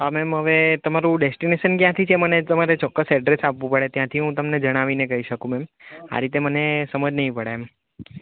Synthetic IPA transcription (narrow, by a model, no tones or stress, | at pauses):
ɦamɛmɦəʋet̪əmaɾũɖesʈineʃənkjãt̪ʰit͡ʃʰemənet̪əmaɾet͡ʃɔkːəsɛɖɾesapʋũpəɽet̪jãt̪ʰiɦũt̪əmned͡ʒəɽ̃aʋinekəɦiʃəkũmɛma̰ɾit̪emənesəməd͡ʒnəɦĩpəɽeɛm